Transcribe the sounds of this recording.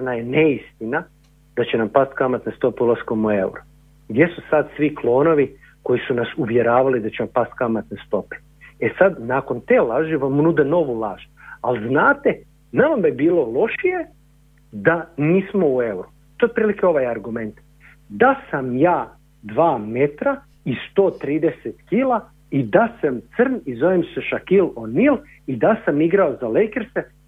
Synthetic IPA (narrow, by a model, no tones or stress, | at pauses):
onajeneist̪ina | d̪̥at͡ɕenampast̪kamat̪nest̪o̞peulˠaskomue̞wɾo | ɡd̪ʲje̞susad̪sʋiklˠo̞ːno̞ʋi | ko̞jisunasuʋje̞ɾaːʋalid̪at͡ɕeʋampast̪̚kamat̪nest̪o̞pe̥ | esad̪naːko̞nt̪e̞ːlaːʒɛʋamunuːd̪eno̞ʋulˠaːʒalznaːt̪e | namamibiːlo̞lo̞ʃije | d̪aniːsmoue̞wɾu | t̪oepɾiːlikeo̞ʋajaɾɡume̞nt̪ | d̪asamjaː | d̪ʋaːme̞t̪ɾa | ist̪oːt̪ɾiːd̪eset̪kiːla | id̪asamt̪sərnizoʋemseʃakilonil | id̪asamiɡɾaozalejkeɾse